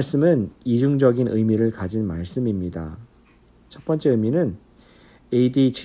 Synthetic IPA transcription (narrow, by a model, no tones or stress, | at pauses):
ɭs͈ɯmɯnid͡ʑuŋd͡ʑʌɡinʔɯjmiɾɯɭkad͡ʑinmaɭs͈ɯmimɲida̰ | t͡ɕʰʌp͈ʌnt͡ɕ͈eɯjminɯn | e̞idit͡ɕʰ